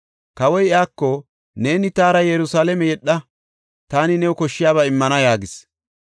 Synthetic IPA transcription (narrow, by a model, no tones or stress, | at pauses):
kɐwɔjɪaːkːɔ | ne̞ːnɪt̪aːɾɐjɛɾʊsaːlɛmɛjɛɗːɐ | t̪aːnɪnɛwʊkɔʃːɪjaːβɐɪmːɐnɐjaːɡɪs